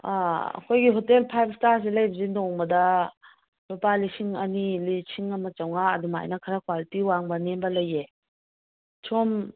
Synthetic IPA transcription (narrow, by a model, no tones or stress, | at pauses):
aɐ̰kʰojɡiɦotelpʰajb̚staɾs̬ilɐjbɐzindɔŋbɐdɐ | lopalisiŋɐnilisiŋɐmɐt͡ʃawŋaːduma̰jnɐkʰɐɾakwalitiwaŋbɐnembɐlɐjːe | t͡ʃʰom